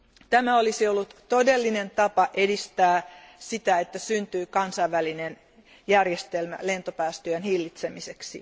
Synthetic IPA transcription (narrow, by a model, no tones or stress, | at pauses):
t̪æmæolisiolːut̪t̪odelːinent̪ɑpɑʔedist̪æːsit̪æet̪ːæsynt̪yːkɑnsɑiʋːælinen | jærjest̪elmæ̰lent̪opæːst̪øænhilːit̪semiseksḭ